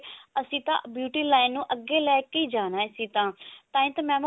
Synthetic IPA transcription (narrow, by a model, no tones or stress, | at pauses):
əsĩːt̪ã̰ːbjuːʈiːlaːɪnːũːʔəɡeːlɛːkːiːd͡ʒaːnaːsĩːt̪ãːt̪ãːĩːt̪ãːmɛ̃ːm